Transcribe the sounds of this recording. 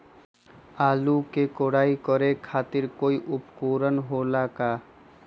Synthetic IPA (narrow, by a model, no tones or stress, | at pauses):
aːlukekoːɽaːikəɾekʰaːt̪ɪɾkoːiʔʊpkuːɾənɦoːlakaː